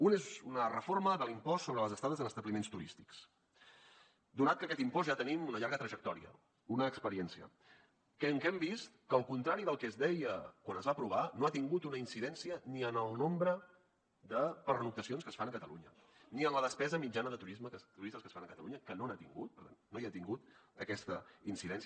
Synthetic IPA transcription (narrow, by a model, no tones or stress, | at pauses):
unezunərəforməðəlimpɔsːoβɾələzəst̪aðəzənəst̪əβlimenst̪uɾist̪i̥ks | d̪unat̪̚kəkɛt̪impɔzʒat̪ənimunəʎaɾɣət̪ɾəʒək̚t̪ɔɾḭə̰ | unəːkspəɾiɛnsiə̰ | kɛŋkɛmbist̪kəːlˠkunt̪ɾaɾiðəlˠkɛzðɛjəkwanəzβapɾuβ̞anoat̪iŋɡut̪unəinsiðɛnsiəniənəlˠnombɾə | d̪əpəɾnuk̚t̪əsionskəsfanəkət̪ə̰luɲə | niənləðəspɛzəmid͡ʒanəðət̪uɾizmət̪uɾist̪əskəsfanəkət̪ə̰luɲəkənonat̪iŋɡṵt̪̚pəɾt̪annojat̪iŋɡut̪̚əkɛst̪əinsiðɛns